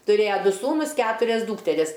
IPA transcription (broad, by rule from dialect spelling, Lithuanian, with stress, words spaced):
tʊˈrʲeːjɛ ˈdʊ ˈsuːnʊs ˈkʲæːtʊrʲɛs ˈduːktʲɛrʲɪs